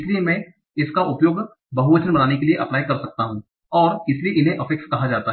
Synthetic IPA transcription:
ɪsliemɛ̃ː | ɪskaʔʊpjoːɡ | bɐɦuʋɐt͡ʃənbɐnaːnekelieʔɐplaːjkɐɾsɐk̚t̪aɦũ | ɔːɾɪslieʔɪnɦẽʔɐfɪkskɐɦad͡ʒaːt̪aɦ

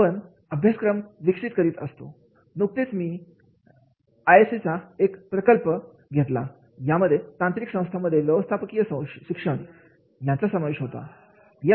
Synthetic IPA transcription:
əɳ | əbʱjaskɾəmʋikʂit̪kəɾiːt̪əst̪o̰ | nuk̚t̪et͡smiː | ajesit͡saekpɾəkəlpə | ɡʱet̪la̰ | jaməd̪ʱːjet̪ãnt̪ɾiksə̃w̃st̪ʰaməd̪ʱːjeʋjəʋəst̪ʰapəkijəsəɕikʂəɳ | jãt͡sasəmaʋeɕɦot̪a̰ | ja

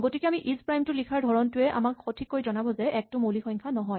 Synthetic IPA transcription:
ɡotikɛamiʔizpɹajmtʊlikʰaɹdʱɔɹɔntʊɛʔa̰makxotʰikːojzɔnabɔzɛʔɛk̚tʊmolixɔjŋkʰanɔɦɔj

